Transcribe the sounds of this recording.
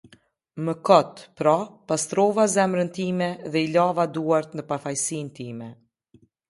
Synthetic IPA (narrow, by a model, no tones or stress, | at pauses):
məkɔt̪pɾɔpast̪ɾɔvazɛmɾənt̪imɛðɛilavad̪uaɾt̪nəpafajsint̪imɛ